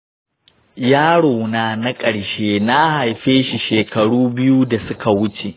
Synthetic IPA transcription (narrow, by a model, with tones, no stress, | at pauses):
jaː˦ɽoː˨naː˦˨na˦kʼɐ˨ɽʃeː˦na˦ha˨jɸeː˦ʃi˨ʃeː˨kɐ˨ɽuː˦bɪ˦ju˦da˨sʊ˦kʰa˨wʊ˦t͡ʃe˨ʔ